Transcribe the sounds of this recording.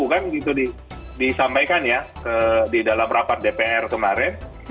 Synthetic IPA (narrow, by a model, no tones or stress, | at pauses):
ukanɡit̪udi | disampajkanjakədidalamrapat̪̚depeʔɛrkəmaɾɪn